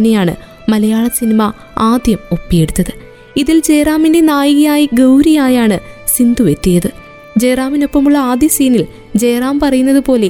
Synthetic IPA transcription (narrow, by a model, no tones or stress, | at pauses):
ine̞jaːɳɨ̰ | mɐlɐjaːɭɐsinimɐ | aːd̪jɐmo̞pːijeɽut̪ːɐðɨ | iðild͡ʑeːraːminde̞naːjiɣɐjaːjiɡɐwɾijaːjaːɳɨsind̪uʋe̞t̪ːijɐðɨ | d͡ʑe̞ːraːmino̞pːɐmuɭːɐaːd̪jɐsiːnil | d͡ʑe̞ːraːmpɐrɐjunːɐðɨpo̞ːle̞